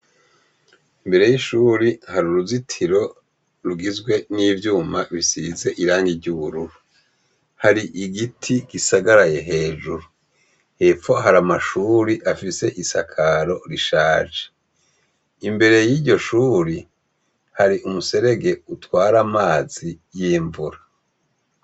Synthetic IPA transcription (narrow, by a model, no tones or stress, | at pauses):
imbe̞ɾe̞jiʃuːɾihaɾuɾuzitʰiɾo̞ | ɾuɡizɡwe̞niːvjuːmaβisize̞ʔiɾaːŋɡivɟuβuɾuɾu | haɾiʔiɡitʰiɡ̥isaɡaɾaje̞ɦe̞ːʒuɾu | hefo̞ɦaɾamaʃuːɾiʔafise̞ʔisakʰaɾo̞ɾiʃaːd͡ʒe̥ | imbe̞ɾe̞jiːɟo̞ʃuːɾi | haɾiʔumuse̞ɾe̞ɡe̞utwaːɾamaːz̥ijiːɱvuɾa